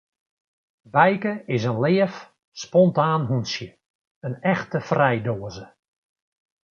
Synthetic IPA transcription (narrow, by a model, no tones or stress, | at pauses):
ʋɛjkəɪsənlɪːəf | spɔntaːnɦunsjə | ənɛxtəfrɛjdoːəzə